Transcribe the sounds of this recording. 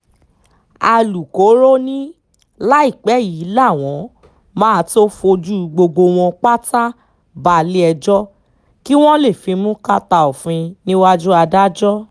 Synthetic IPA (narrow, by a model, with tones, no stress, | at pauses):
a˧lu˨ko˨˦ɾo˦nĩ˦ | la˦i˦˨k͡pɛ˨˦ji˨˦la˦˨w̃ɔ̃˨˦ | mã˦˨˧to˦fo˧d͡ʒu˦˧ɡ͡bo˧ɡ͡bo˧w̃ɔ̃˧k͡pa˦ta˦ | ba˧li˦ɛ˧d͡ʒɔ˦ | ki˦w̃ɔ̃˦le˦˨fĩ˧mũ˦ka˦ta˧o˨fĩ˧nĩ˦wa˦d͡ʒu˦a˧da˦d͡ʒɔ˦